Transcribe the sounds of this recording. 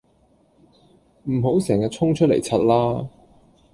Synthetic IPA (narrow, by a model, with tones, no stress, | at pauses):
m̩˨˩ɦo˨˥wsɛː˨˩ŋaː˧t͡sʰʊ˥ŋt͡ʃʰɵ˥t̚lḛ˨˩jt͡sʰɐ˧t̚laː˥